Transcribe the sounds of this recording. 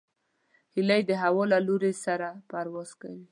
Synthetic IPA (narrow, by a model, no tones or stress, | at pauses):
hilajd̪əɦawɔlaloɾesaɾapaɾwɔz̥ka̰wi